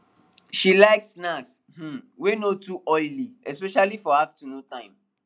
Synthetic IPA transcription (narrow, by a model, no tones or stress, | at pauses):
ʃilaɪksnaks | m̩wenotuʔɔɪliɛspɛʃalifɔaftunotãɪ̃m